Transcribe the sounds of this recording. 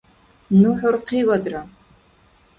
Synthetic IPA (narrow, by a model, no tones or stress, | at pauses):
nuħʊrqʰiːwɐd̪ra